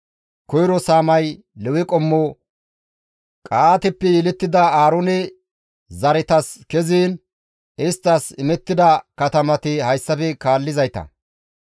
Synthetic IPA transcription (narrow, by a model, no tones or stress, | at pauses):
kɔjɾɔsaːmɐj | lɛwɪkʼɔmːɔ | kʼaːt̪ɛpːɛjɪlɛt̪ːɪd̪ɐaːɾɔnɛ | zɐɾɛt̪ɐskɛziːn | ɪst̪ːɐsɪmɛt̪ːɪd̪ɐkɐt̪ɐmɐt̪ɪhɐjsːɐfɛkaːlːɪzɐjt̪ɐ̰